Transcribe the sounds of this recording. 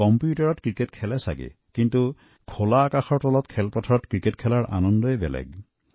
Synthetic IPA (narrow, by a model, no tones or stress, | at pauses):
kɔmpjutɔɹɔtkɹiketkʰɛlɛsa̰ɡḭ | kintu | kʰolaːkaxɔɹtɔlɔtkʰɛlpɔtʰɔɹɔtkɹiketkʰɛlaɹʔa̰nɔndɔɛbɛ̰lɛ̰ɡ